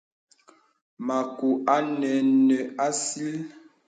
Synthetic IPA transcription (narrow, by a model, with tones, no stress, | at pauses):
ma˨ku˨ʔa˦nɛ˨nə˨a˦si˦l